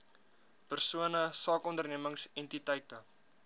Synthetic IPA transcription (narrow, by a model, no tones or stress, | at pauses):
pərsuənəsɑːkɔndərniəməŋsɛntitəjtə